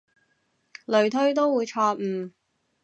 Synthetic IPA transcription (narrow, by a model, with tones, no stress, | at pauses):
lɵ˨ɥt̪ʰɵ˥ɥt̪̬o˥wwuː˨˧jt͡ʃʰɔː˧k̚m̩ː˨˩